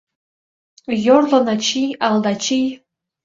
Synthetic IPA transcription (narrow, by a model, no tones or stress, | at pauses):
jorlonat͡ʃʰijaldat͡ʃʰij